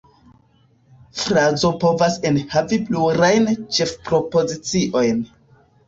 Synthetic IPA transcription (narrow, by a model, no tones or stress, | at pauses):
fɾazo̞po̞vase̞nhavipluɾajnt͡ʃe̞fpɾo̞po̞zit͡siʔo̞jn